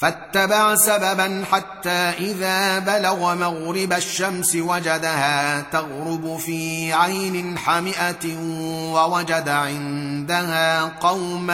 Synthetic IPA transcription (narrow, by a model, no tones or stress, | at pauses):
fat̪ːabaʕsababanħat̪ːaːʔɪðaːbalaɣmaɣɾɪbaʃːamsɪwad͡ʒad̪ahaːt̪aɣɾʊbʊfiːʕajnɪnħamɪʔa | wawad͡ʒad̪aʕɪnd̪ahaːqɑwm